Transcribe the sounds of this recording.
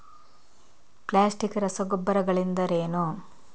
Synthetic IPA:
plaːsʈikɾɐsɐɡɔbːɐɾɐɡɐɭind̪ɐɾeːnu

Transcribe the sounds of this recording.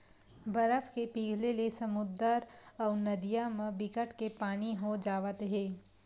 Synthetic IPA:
bɐɾəfʰkepiːɡʱlelesɐmʊd̪əɾɔːɾnɐd̪ijamẽbɪkəʈkepaːniɦod͡ʒaːʋət̪ɦɛ̃ː

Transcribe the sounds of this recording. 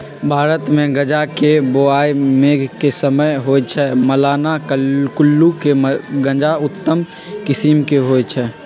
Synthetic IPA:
bʱaːɾət̪mẽɡəd͡ʒakeboaːjmeːɡʱkesəməjɦoːet͡ʃʰɛməlaːnakkʊlːukemɡə̃d͡ʒaʊt̪ːəm | kɪsimkeɦoːet͡ʃʰɛː

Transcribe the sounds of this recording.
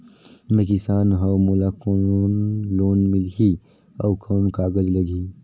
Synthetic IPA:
mẽkɪsaːnɦɐwmolakonloːnmɪlɦi | ɐwkʰoːmkaːɡəd͡ʒlɐɡʱi

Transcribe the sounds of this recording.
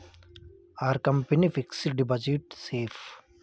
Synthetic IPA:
aəɾkɐ̃mpenifiksɖibɔd͡ʒiʈseːf

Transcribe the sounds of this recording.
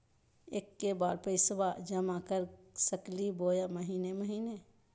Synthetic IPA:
eːkːebaːɾpəɪsbad͡ʒəmakəɾsəkliboːjaməɦiːneməɦiːne

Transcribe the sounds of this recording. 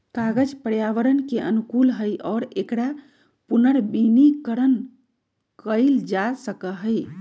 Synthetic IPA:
kaɡəd͡ʒpəɾjaʋəɾənkeʔənukulɦəjʔɔːɾekɾa | punəɾbinikəɾən | kəɪld͡ʒasəkəɦəj

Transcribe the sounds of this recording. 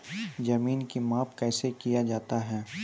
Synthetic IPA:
d͡ʒɐmiːnkimaːpkɛːsekijad͡ʒaːt̪aɦɛː

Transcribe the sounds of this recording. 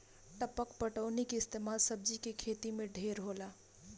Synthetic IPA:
ʈəpəkpəʈəʊnikeɪst̪emalsəb̚d͡ʒikekʰet̪imẽɖʱeɾɦola

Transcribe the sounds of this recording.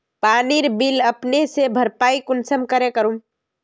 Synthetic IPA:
paniɾbiləpnesebʱəɾpaikunsəmkəɾekəɾum

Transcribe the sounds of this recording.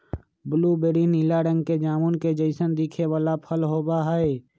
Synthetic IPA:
bʊlubeːɾinɪlaɾə̃ŋɡked͡ʒaːmunked͡ʒəɪsənd̪ikʰeʋaːlapʰəlɦoːbaɦae

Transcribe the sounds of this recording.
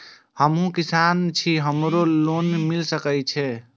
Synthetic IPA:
həmɦũkisant͡ʃʰiɦəmɾolonmilsəkət͡ʃʰɛ

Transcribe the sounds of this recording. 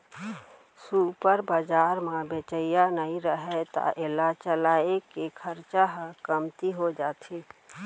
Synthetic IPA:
supəɾbəd͡ʒaːɾmẽbet͡ʃəjanəɦĩɾəɦɛt̪a̰ʔelat͡ʃəlaːekekʰəɾt͡ʃaɦkəmt̪iɦod͡ʒaːt̪ʰi

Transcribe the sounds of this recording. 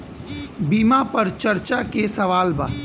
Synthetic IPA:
biːmapɐɾt͡ʃɐɾt͡ʃakesɐʋaːlbaː

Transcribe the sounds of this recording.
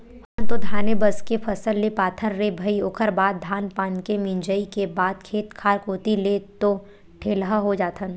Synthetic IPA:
həɾt̪od̪ʱaːnebəskepʰɐsəlːepaːt̪ʰəɾːebʱɐioːkʰəɾbaːd̪̚d̪ʱaːnpaːnkemɪ̃ɲd͡ʒəikebaːd̪̚kʰeːt̪kʰaːɾkoːt̪ilet̪o | ʈʰeːlɦaɦod͡ʒaːt̪ʰən

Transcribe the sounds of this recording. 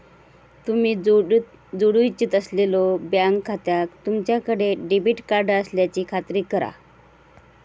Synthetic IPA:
t̪umiː | d͡zoɽujt͡ɕit̪əslelɔbjãŋkʰːat̪jakt̪umt͡ɕjakəɽeɖibiʈkaɾɖəsljat͡ɕiːkʰat̪ɾiːkəɾa̰

